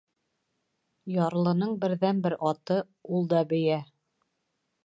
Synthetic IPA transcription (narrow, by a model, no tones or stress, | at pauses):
jɑɾlˠɤ̆nɤɴbɘ̆ɾðænbɘɾɑt̪ɤ | ulˠd̪ɑbɘ̆jæ